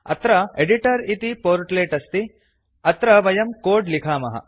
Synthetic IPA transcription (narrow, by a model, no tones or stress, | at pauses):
ɐ̰t̪ɾɐeɖiʈɐɾit̪ipoːɾʈleːʈɐst̪i | ɐt̪ɾɐʋɐjɐmkoːɖlikʰaːmɐɦɐ̰